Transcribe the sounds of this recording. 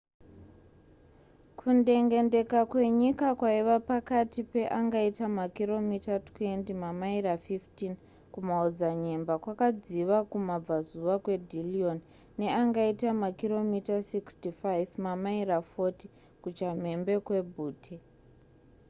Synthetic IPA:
kʰunde̞ŋɡe̞nde̞kakwe̞ɲikakwaiʋapakatipe̞ʔaŋɡaitamakiro̞mitatwe̞ntimamairafiftin | kumaod͡zaɲe̞mbakwakad͡ziʋakumab͡vazuʋakwe̞dʱilion | ne̞aŋɡaitamakiro̞mitasikstifajvmamaiɾafo̞ti | kut͡ʃam̤e̞mbe̞kwe̞bʱuːtʰe

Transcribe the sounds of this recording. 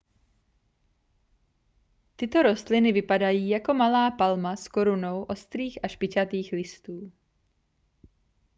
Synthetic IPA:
t̪ɪt̪o̞ɾo̞st̪lɪnɪvɪpadajiːjako̞malaːpalmasko̞ɾuno̞wʔo̞st̪ɾiːxaʃpɪt͡ʃat̪iːxlɪst̪uː

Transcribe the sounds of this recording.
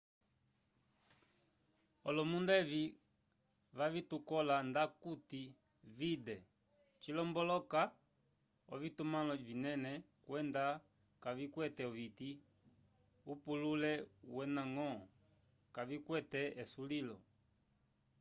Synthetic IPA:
ɔlɔmundɛvi | vavitukɔlandakuti | vidɛ | t͡ʃilɔmbɔlɔka | ɔ̰vitumalɔvinɛnɛ | kwɛnda | kavikwɛtɛɔviti | upululɛwɛnaŋɔ | kavikwɛtɛɛsulilɔ̰

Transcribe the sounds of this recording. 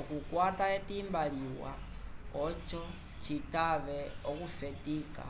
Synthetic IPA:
ɔkukwataetimbaliwa̰ | ɔt͡ʃɔ | t͡ʃitaβɛɔkufɛtika̰

